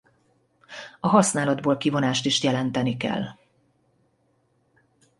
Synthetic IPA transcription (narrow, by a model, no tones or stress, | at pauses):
ɒɦɒsnaːlɒd̪boːlkivo̞naːʃt̪iʃjɛlɛnt̪ɛnikɛ̰lː